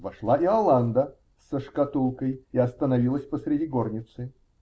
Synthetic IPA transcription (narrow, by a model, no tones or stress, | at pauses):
vɐʂlˠaʔiɐlˠand̪ə | səʂkɐt̪ulˠkəjɪɐst̪ənɐvʲilˠəsʲpəsɾʲɪdʲiɡornʲɪt̪sɨ